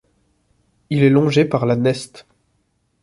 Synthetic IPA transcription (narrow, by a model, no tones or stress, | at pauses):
ilɛlɔ̃ʒepaʁlanɛst̪